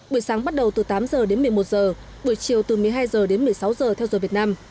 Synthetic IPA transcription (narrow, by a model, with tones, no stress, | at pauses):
ɓu˧˩jsaː˨˦ŋɓa˦˥t̚ɗə˨˩wt̪ɨ˨˩t̪aː˨˦mzəː˨˩ɗe˨˦nmɨ˨˩əjmo˨˩t̚zəː˨˩ | ɓu˧˩əjt͡ɕi˨˩əwt̪ɨ˨˩mɨ˨˩əjɦaː˧jzəː˨˩ɗe˨˦nmɨ˨˩əjsa˨˦wzəː˨˩t̪ʰɛ˧wzəː˨˩vi˨˩ət̚naː˧m